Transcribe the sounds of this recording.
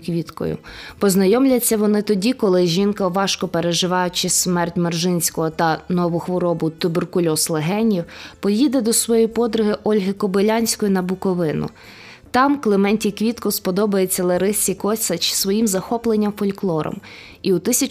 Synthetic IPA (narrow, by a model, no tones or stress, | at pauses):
kʋʲit̪kɔ̰jʊ̰pɔznɐjɔmlʲɐt͡sʲːɐʋɔnɪt̪ɔdʲikɔlˠɪʒʲinkɐʋɑʃkɔpeɾeʒɪʋɑjʊt͡ʃɪsmɛrtʲmerʒɪnʲsʲkɔɦɔt̪ɐnɔʋʊxʋɔɾɔbʊt̪ʊberkʊlʲɔslˠeɦɛnʲiwpɔjid̪ɛd̪ɔsʋɔjijpɔd̪ɾʊɦɪʔɔlʲɦɪkɔbelʲɑnʲsʲkɔjʊnɐbʊkɔʋɪnʊ̰ | t̪ɑmklˠemɛnʲtʲikʋʲit̪kɔspɔd̪ɔbɐjet͡sʲːɐlˠeɾɪsʲikɔsʲɐt͡ʃɪ̥sʋɔjimzɐxɔplˠenʲːɐmfɔlʲklˠɔɾɔ̰m | iut̪ɪsʲɐ